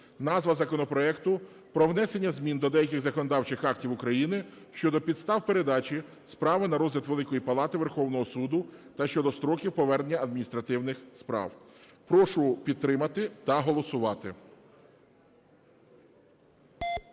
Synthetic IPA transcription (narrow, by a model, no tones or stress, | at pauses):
nɑzʋɐzɐkɔnɔpɾɔɛkt̪ʊ | pɾɔwnɛse̞nʲːɐzmʲind̪ɔd̪ɛjɐkʲɪɣzɐkɔnɔd̪ɑwt͡ʃɪxɑk̚tʲiwʊkɾɐjinɪ | ʃt͡ʃɔd̪ɔpʲid̪st̪ɑwpeɾed̪ɑt͡ʃi | spɾɑʋɪnɐɾɔzʲlʲɐt̪ʋelˠɪkɔjipɐlˠɑt̪ɪʋerxɔwnɔɦɔsud̪ʊt̪ɐʃt͡ʃɔd̪ɔst̪ɾɔkʲiwpɔʋɛrnenʲːɐɐd̪̚mʲinʲist̪ɾɐt̪ɪwnɪxspɾɑ̰w | pɾɔʃʊpʲid̪̚t̪ːɾɪmɐt̪ɪt̪ɐɦɔlˠɔsʊʋɑt̪ɪ